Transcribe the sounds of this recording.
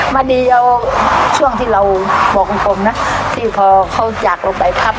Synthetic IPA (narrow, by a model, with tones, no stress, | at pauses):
maː˧niː˧˩ʔa˧wt͡ɕʰu˥˩əŋt̪ʰiː˥˩ɾa˧wbɔː˨˩k̚u˧pʰo˧mna˦˥t̪ʰiː˥˩pʰɔː˧kʰa˧˥˩wt͡ɕaː˨˩k̚la˧pa˨˩jpʰa˦˥˩p̚